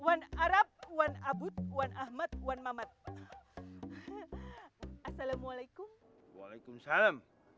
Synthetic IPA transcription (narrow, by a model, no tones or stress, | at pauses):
wanaɾap̚wanabut̪̚wanʔahmat̪̚wanmamat̪̚ | ʔasalamwalajkʊm | wa̰lakumsalam